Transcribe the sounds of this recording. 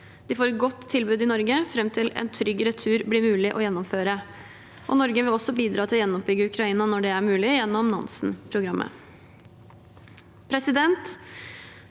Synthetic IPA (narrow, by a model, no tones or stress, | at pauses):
d̪̥ɪfoːɾɡɔt̪ʰːɪlbʉːd̪ɪnɔɾɡəfɾɛmt̪ʰɪlɛ̰nt̪ʰɾʏɡəɾət̪ʰʉːɾblɪmʉːlɪʔɔjɛnːɔmføːɾə | ʔɔnɔɾɡəʋɪlɔsːɔbiːd̪ɾɑːt̪ʰɪlɔjɛnːɔp̚bʏɡːəʉkʰɾɑiːnɑnɔɖɛæɾmʉːlɪjɛnːɔmnɑ̰nsn̩pʰɾʊɡɾɑmːə̰ | pʰɾɛsɪd̪ɛnt̪